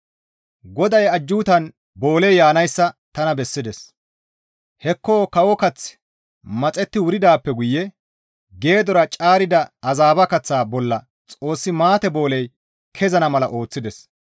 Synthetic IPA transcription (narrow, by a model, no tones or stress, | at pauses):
ɡɔd̪ɐjɐd͡ʒːuːt̪ɐn | bo̞ːlɛjjaːnɐjsːɐt̪ɐnɐbɛsːɪd̪ɛs | hɛkːo̞ːkɐwɔkɐt͡s | mɐt͡sʼɛt̪ːɪwʊɾɪd̪aːpːɛɡʊjːɛ | ɡe̞ːd̪ɔɾɐt͡ʃʼaːɾɪd̪ɐɐzaːbɐkɐt͡sːaːbɔlːɐ | t͡sʼo̞ːsːɪmaːt̪ɛbo̞ːlɛj | kʰɛzɐnɐmɐlɐʔo̞ːt͡sːɪd̪ɛs